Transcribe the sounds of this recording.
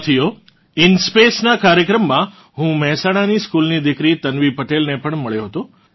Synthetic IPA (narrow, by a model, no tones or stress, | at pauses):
t̪ʰijo | ɪnspesnakaɾjəkɾəmːã | ɦũmɛɦɛsaɽ̃aniskulnid̪ɪkɾit̪ənʋipəʈelnepəɳməɭjoɦət̪o